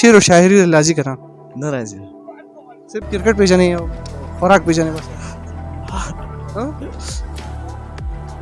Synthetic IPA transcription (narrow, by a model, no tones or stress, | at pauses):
iɾoʃaːɦɪɾiɾelaːzikɐɾãː | nɐɾazi | sɪɾfkɪɾkəʈ̚peːd͡ʒaːnɐĩɔxɔɾaːk̚peːd͡ʒaːnẽbɐs | ɦ